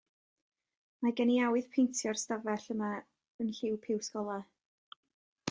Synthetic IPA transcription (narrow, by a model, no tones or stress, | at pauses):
maɡɛniawɨð̥pʰejntʰjɔrstavɛɬəma | ənɬɪwpʰɪwskɔlˠa